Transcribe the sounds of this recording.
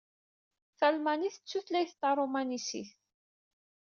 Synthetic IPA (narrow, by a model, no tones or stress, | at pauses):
θælmæniθət͡sːuθlæjθt̪ːɑɾˤomænisḭθ